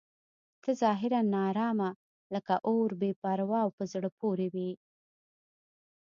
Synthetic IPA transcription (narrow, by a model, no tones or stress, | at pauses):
t̪əzɑɦɪɾanːɑɾɑma | ləkaʔoɾbepɑɾawɑwpəzɽəpoɾewi